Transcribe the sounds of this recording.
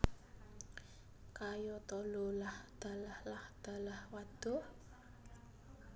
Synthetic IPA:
kajɔt̪ɔlolahd̪̥a̤lahlahd̪̥a̤lahwad̪̥ɔ̤

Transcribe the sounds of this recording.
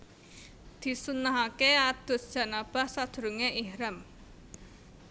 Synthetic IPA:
d̪̥i̤sunaɦakead̪̥o̤s̚d̥ʒ̥ä̤nab̥a̤hsad̪̥ɾuŋeʔihɾɛm

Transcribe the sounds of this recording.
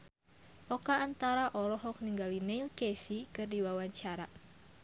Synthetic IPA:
ʔɔkaːnt̪aɾaʔɔlɔɦɔk̚niŋɡalineilkesikɨrdiwawaɲt͡ʃaɾa

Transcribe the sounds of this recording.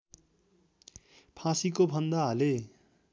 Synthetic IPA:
pʰãsikobʱʌnd̪aɦʌle

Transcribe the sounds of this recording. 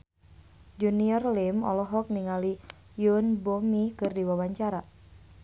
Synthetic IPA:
d͡ʒuniɔrlɪmɔ̰lɔɦɔk̚niŋali | junbomikɨrdiwawaɲt͡ʃaɾa

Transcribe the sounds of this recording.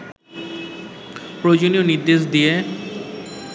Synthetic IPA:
pɾod͡ʑonioniɾd̪eʃ̬d̪ie

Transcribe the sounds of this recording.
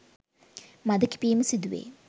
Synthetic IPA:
mad̪ɐki̥piːməsid̪uʋḛː

